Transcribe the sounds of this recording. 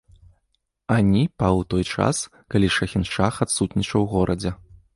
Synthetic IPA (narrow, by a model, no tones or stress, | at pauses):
anʲipawt̪ɔjt͡ʂa̰s | kalʲiʂɐxʲinʂaxat̪sut̪nʲit͡ʂɐwɣɔɾʔɐd͡zʲɛ